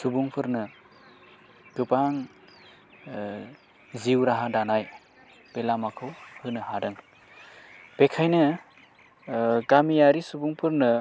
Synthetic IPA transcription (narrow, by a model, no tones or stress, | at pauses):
subuŋpʰɯɾnɯ | ɡ̥ɯpaŋ | ziwɾaɦadanaj | pelamakʰɯwhɯnɯhadɯŋ | pekʰajnɯ | ɡamijaɾisubuŋpʰɯɾnɯ